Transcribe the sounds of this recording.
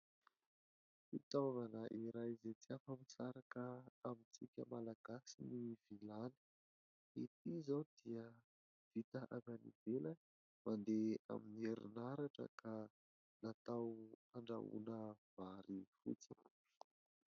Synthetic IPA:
fit̪avanəʔiɾajzet͡siafəmisaɾakəamit͡sikʲəmalaɡ̥asiniv̥ilani̥ | it̪izawd̪̥iə | v̥it̪əʔavanḭv̥elə | mand̪ea̰minieɾḭnaɾaʈ͡ʂə̰kʰa | nat̪awaɳɖ͡ʐa̰ṵnəv̥aɾifṵt͡si

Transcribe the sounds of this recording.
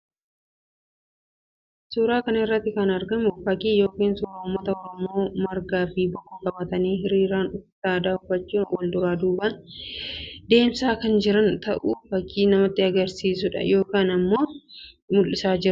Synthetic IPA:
suːɾaːkɐnɪrːɐt̪ːɪkɐnɐɾɡɐmʊfɐkiːjo̞ːkiːnsʊːɾaːʊmːɐt̪ɐɔɾɔmo̞ːmɐɾɡaːfiːbɔʔʊkɐbɐt̪ɐniːɦɪɾiːɾaːnʊft̪aːd̪aːʊfɐt͡ʃːuːwɐld̪ʊɾaːd̪uːbɐn | d̪e̞ːmsaːkɐnd͡ʒɪɾɐnt̪ɐʔufɐkːiːnɐmɐt̪ːɪɐɡɐɾsiːsʊᶑɐ̰jo̞ːkaːnɐmːo̞ː | mʊlːɪsaːd͡ʒɪɾ

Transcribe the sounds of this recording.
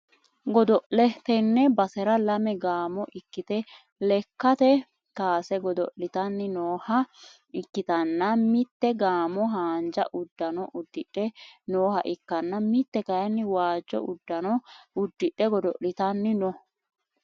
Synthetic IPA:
ɡɔd̪ɔʔlɛt̪ɛnːɛbɐsɛɾɐlɐmɛɡaːmɔʔɪkːɪt̪ɛ | lɛkːɐt̪ɛ | t̪aːsɛɡɔd̪ɔʔlɪt̪ɐnːɪnoːhɐ | ɪkːɪt̪ɐnːɐmɪt̪ːɛɡaːmɔɦaːnd͡ʒɐ̰ʔʊd̪ːɐnɔʔʊd̪ːɪᶑɛnoːhɐʔɪkːɐnːɐmɪt̪ːɛkɐjɐnːɪwaːd͡ʒːɔ̰ʔʊd̪ːɐnɔʊd̪ːɪᶑːɛɡɔd̪ɔʔlɪt̪ɐnːɪnɔ

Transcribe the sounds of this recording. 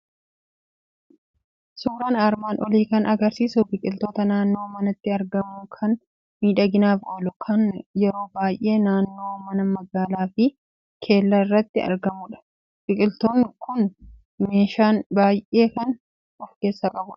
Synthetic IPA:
suːɾaːnaɾmaːnʔɔliːkɐnɐɡɐɾsiːsʊbɪkʼɪlt̪oːt̪ɐnaːnːo̞ːmɐnɐt̪ːɪɐɾɡɐmːʊkʰɐn | miːᶑɐɡɪnaːfoːlʊkʰɐnjɛɾo̞ːbaːjʔe̞ːnaːnːo̞ːmɐnɐmɐɡaːlaːfɪ | kʰe̞ːlːɐɪrːɐt̪ːɪɐ̰ɾɡɐmʊᶑɐ̥ | bɪkʼɪlt̪oːnːɪkʰʊn | me̞ːʃaːnbaːjʔe̞ːkɐn | ɔfke̞ːsːɐkʼɐbʊᶑɐ̥

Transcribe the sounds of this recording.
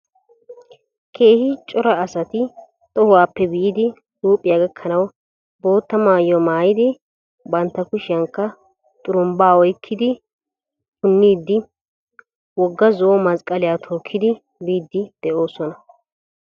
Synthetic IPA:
kʰe̞ːhɪt͡ʃʼɔɾɐːsɐt̪ɪ | t̪ʼɔhʊwaːpːɛbɪjɪd̪ɪ | duːpʼːɪjaːɡɐkʰːɐnɐw | bo̞ːt̪ːɐmaːjɔmaːjɪd̪ɪ | bɐnt̪ːɐkʊʃɪjɐŋkːɐ | t̪ʼʊɾʊmbaːɔjkʰːɪd̪ɪ | kʊnːiːd̪ːɪ | wɔɡːɐzɔʔɔmɐskʼɐlɪjaːt̪ʰo̞ːkʰːɪd̪ɪ | biːd̪ːɪd̪̥ɛʔo̞ːsɔnɐ

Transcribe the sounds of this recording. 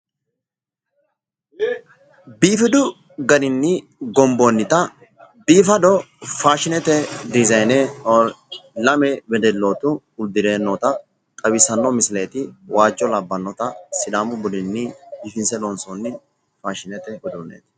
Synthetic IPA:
biːfɪd̪ʊ | ɡɐɾɪnːɪ | ɡɔmboːnːɪt̪ɐ | biːfɐd̪ɔfaːʃɪnɛt̪ɛd̪ɪzɐjne | lɐmɛbɛd̪ɛlːoːt̪ʊ | ʊd̪ɪɾe̞ːnːɔt̪ɐ | t̪ʼɐwɪsɐnːɔmɪsɪleːt̪ɪwaːd͡ʒːɔlɐbːɐnːɔt̪ɐsɪd̪aːmʊbʊlɪnːɪbiːfɪnsɛlɔnsonːɪ | faːʃɪnɛt̪ɛbɛd̪ʊnḛːt̪

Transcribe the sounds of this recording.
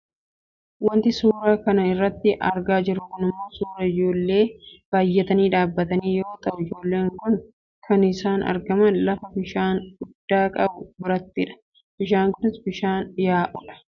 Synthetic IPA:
wɐnt̪ɪsuːɾaːkɐnɐɪrːɐt̪ːɪʔɐ̰ɾɡaːd͡ʒɪrːʊkʊnɪmːo̞ːsuːɾɐɪd͡ʒo̞ːlːe̞ːb̥aːjːɛt̪ɐniːᶑaːbːɐt̪ɐniːjo̞ːt̪ʼɐʔʊɪd͡ʒo̞ːlːe̞ːŋkʊn | kʰɐnɪsaːnɐ̰ɾɡɐmɐnlɐfɐbɪʃaːnɡʊd̪̥ːaːkʼɐbʊbɪɾɐt̪ːɪᶑɐ̥ | b̥ɪʃaːŋkʊnɪsbɪʃaːnjaːʔɔlɐ̥

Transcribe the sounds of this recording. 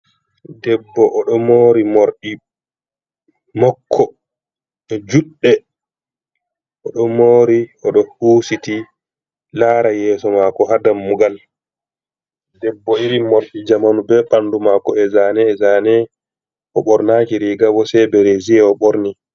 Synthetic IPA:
dɛbːɔʔɔɗɔmoːɾimoɾɗi | mɔkʰːɔ | ɛd͡ʒuɗːɛ | ʔɔɗɔmoːɾiɔɗɔhuːsiti | laːɾajɛːsɔmakɔɦadamːuɡal | dɛbːɔiɾimoɾɗid͡ʒamanubɛɓandumakɔɛzanɛːzaːnɛ | ʔɔɓɔɾnaːkiɾiɡawɔsɛbɛɾeziɛɔɓoɾni

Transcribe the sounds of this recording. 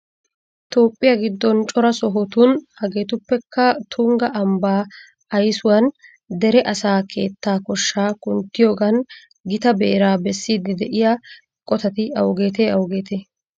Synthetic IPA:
t̪o̞ːpʼːɪjaɡɪd̪ːɔnt͡ʃʼɔɾɐsɔɦɔt̪unhɐɡe̞ːt̪ʊpːɛkːɐt̪ʰʊŋɡɐʔɐmbaː | ɐjsʊwɐn | d̪ɛɾɛʔɐsaːkʰe̞̰ːt̪ːaːkɔʃːaːkʊnt̪ːɪjo̞ːɡɐn | ɡɪt̪ɐbḛːɾaːbɛsːiːd̪ːɪd̪ɛʔɪja | kʼɔt̪ɐt̪ɪɐwɡe̞ːt̪eːɐwɡe̞ːt̪eː

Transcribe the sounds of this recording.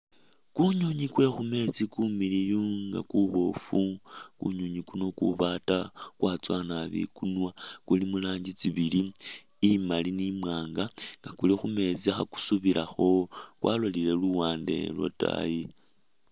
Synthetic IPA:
kuɲoɲikwe̞xume̞t͡sikumilijuŋɡa̰kuβo̞fukṵɲoɲikuno̞kṵβatakwat͡swanaβḭkunwakulimulaːɲɟit͡siβiliː | malinimwaːŋɡaŋɡakulixume̞t͡siaxaku̥suβiɾʔaxo̞kwʔa̰lolile̞luwaːnde̞̰lwo̰ta̰ji

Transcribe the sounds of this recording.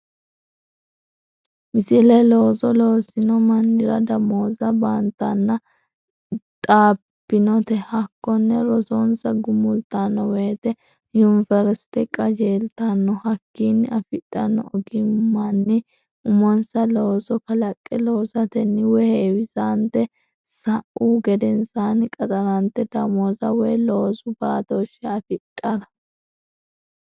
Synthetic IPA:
mɪsɪlɛloːzɔloːsɪnɔmɐnːɪɾɐ̰d̪ɐmoːzɐbant̪ːɐnːɐ | t̪ʼaː | pːɪnɔt̪ɛhɐkːɔnːɛɾɔzoːnsɐɡʊmʊlt̪anːɔweːt̪ɛ | jʊnfɛɾɛst̪ɛkʼɐd͡ʒeːlt̪anːɔhɐkːiːnːɪɐfɪtʼːɐnːɔ̰ɔɡɪmːɐnːɪ | ʊmɔnsɐloːsɔkɐlɐkʼːɛloːzɐt̪ɛnːɪwɛheːwɪzaːnt̪ːɛ | sɐʔuːɡɛd̪ɛnsaːnɪkʼɐt̪ʼɐɾɐnt̪ːɛd̪ɐmɔzɐwɛːlo̞ːzʊbaːt̪oʃːɛɐfɪtʼːɐɾɐ

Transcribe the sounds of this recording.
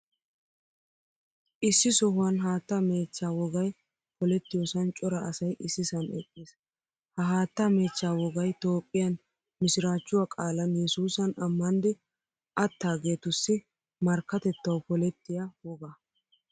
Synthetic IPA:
ʔɪsːɪsɔhʊwɐnɦaːt̪ːɐme̞ːt͡ʃːaːwɔɡɐj | pɔlɛt̪ːɪjɔsɐnt͡ʃʼɔɾɐʔːsɐjʔɪsːɪsɐnɛkʼːis | hɐɦaːt̪ːɐme̞ːt͡ʃːaːwɔɡɐjt̪o̞ːpʼːɪjɐn | mɪsɪɾaːt͡ʃːʊwakʼaːlɐnjɛsuːsɐnɐmːɐnd̪ɪ | ʔɐt̪ːaːɡe̞ːt̪ʊsːɪ | mɐɾkːɐt̪ɛt̪ːɐwpɔlɛt̪ːɪjɐwɔɡɐ

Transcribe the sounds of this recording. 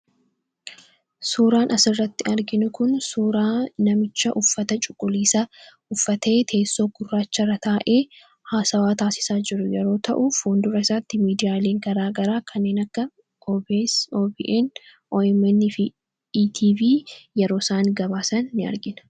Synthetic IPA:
suːɾaːnʔɐsɪrːɐt̪ːɪɐɾɡɪnʊkʊnsuːɾaːnɐmɪt͡ʃːɐʔʊfːɐt̪ɐt͡ʃʼʊkʼːʊliːsa | ʊfːɐt̪eːt̪ʰe̞ːsːo̞ːɡʊrːaːt͡ʃːɐrɐt̪aːʔe̞ː | haːsɐwaːt̪aːsɪ̥saːd͡ʒɪɾʊjɛɾoːt̪ɐ̰ʔufoːnd̪ʊɾɐɪsat̪ːɪmiːd̪ɪjaːle̞ːŋɡɐɾaːɡɐɾaːkʰɐnːeːnɐkːɐ | oːbiʔɛn | ʔoɛmɛnːɪf | iːt̪ʰiːviːjɛɾo̞ːsaːnɡɐbaːsɐnːɪɐ̰ɾɡɪn

